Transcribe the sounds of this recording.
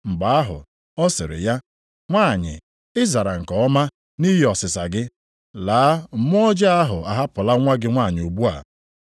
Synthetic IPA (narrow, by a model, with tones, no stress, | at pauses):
ŋ͡m̩˨ɡ͡ba˨a˦ɦʊ̰˨ | ɔ˦sɪ˨ɾɪ̰˨ja˦ | ŋʷa˦˨ɲɪ̰˨ | ɪ˦za˨ɾa˨ŋ̩˨kɔ˨ɔ˦ma˦ | ni˦ɦɪ˦˨ɔ˨sɪ˨sa˨ɡɪ˦ | laː˨˦˨mʊ˦ɔ˦d͡ʒa˦a˦ɦʊ˨a˨ɦa˦pʊ˨la˦ŋʷa˦ɡɪ˦ŋʷa˦˨ɲɪ˨o˨bu˦a̰˨